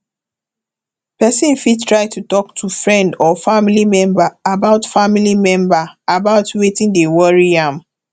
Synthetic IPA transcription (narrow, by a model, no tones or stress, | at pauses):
pɛsĩnfid̚tʰɹaɪtutɔk̚tʰufɹɛ̃ndɔfamilimɛ̃mbaːbaʊtfamilimɛ̃mbaabaʊtwetĩŋdewɔɹiãm